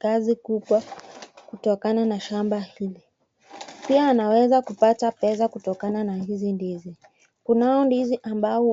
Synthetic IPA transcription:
kazikuɓwakutɔkananaʃambahili | piaːnawɛzakupatapɛs̬akutɔkananahizindizi | kunaɔndiziʔamba

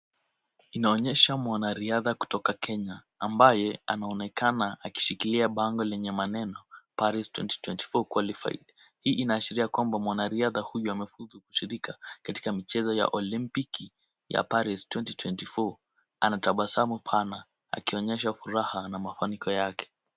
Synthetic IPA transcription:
inaɔɲɛʃamwanaɾiaðaku̥tɔkakʰɛɲaː | mbajɛa̰naɔnɛkanaʔaki̥ʃikiliaɓaŋɡɔlɛɲɛmanɛnɔpaɾistwɛ̰nti̥twɛnti̥fɔkwalifa̰ḭɗa | hiːʔinaːʃiɾiakwambamwanaɾiaðahujuamɛfuzuku̥ʃiɾikakati̥kamit͡ʃɛzɔja̰ʔɔlimpiki | ja̰paɾistwɛntitwɛntifɔ | anataɓasamupʰana | a̰kiɔɲɛʃ̬afuɾahanamafanikɔjakʰɛ̥

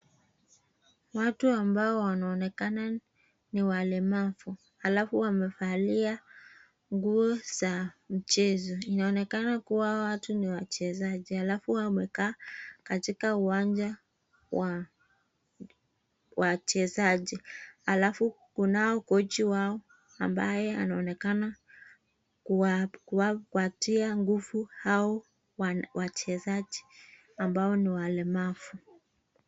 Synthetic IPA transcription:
watuambaɔwanaɔnɛkana | niwalɛmafu | halafuwamɛfalia | ŋɡuɔzam̩t͡ʃɛzɔinaɔnɛkanakuwawatuniwat͡ʃɛzaʄihalafuwamɛkaːkatikauwand͡ʒa | wa | wat͡ʃɛzaʄihalafu | kunaɔkɔt͡ʃiwaɔ | amba̰jɛanaɔnɛkana | ukwakwatiaŋɡufuhaɔ | wwat͡ʃɛzaʄi | ambaɔniwalɛmafu

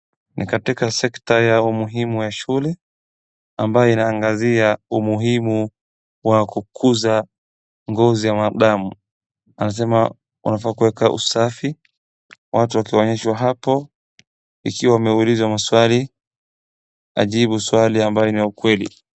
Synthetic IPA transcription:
nʔḭkatikasɛktajaumuɦimujaʃulɛ | ambajɔinaːŋɡaziaumuɦimu | wakukʰuza | ŋɡɔzijamaɗamu | anas̬ɛma | ṵnafakuwɛkaʔṵsafi | watuwakiɔɲɛʃwaɦapɔ | ikiwawamɛulizwamaswali | a̰ʄiɓuswaliambajɔniaukwɛlḭ

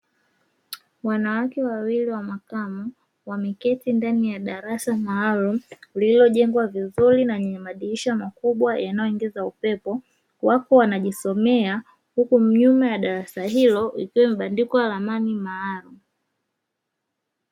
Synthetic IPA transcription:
wanawakɛwawiliwamakamu | wamɛkɛtindanijaɗaɾasamaːlum̩lilɔʄɛŋɡwavizuɾinaɲɛmaɗiiʃamakuɓwajanajɔiŋɡɛzaupɛpɔ | wakɔwanaʄisɔmɛa | hukum̩ɲumɛjaɗaɾasahilɔikiwɛmiɓandikɔwalamanimaːlum̩

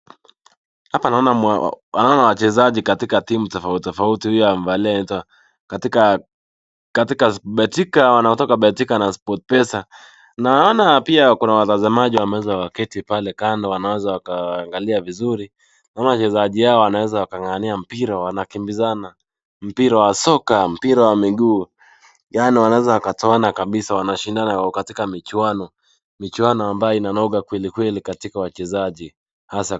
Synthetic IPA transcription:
hapanaɔna̰wanaɔnawat͡ʃɛzaʄikatikatimutɔfautɔfautihujɔjam̩valiɛnitwa | katika | katikasɓɛtikawanaɔtɔkaɓɛtikanaspɔtpɛsa | naɔnapiakunawatazamaʄiwamɛwɛzawakɛtipalɛkandɔwanawɛzawakaːŋɡaliavizuɾi | namaat͡ʃɛzaʄihaɔwanawɛzawakaŋaniam̩piɾawanakimbizana | m̩piɾawasɔkam̩piɾawamiɡuː | janiwanawɛzawakatɔanakaɓisawanaʃindanajakatikamit͡ʃuanɔ | mit͡ʃuanɔambajɔinanɔɠakwɛlikwɛlikatikawat͡ʃɛzaʄi | hasa

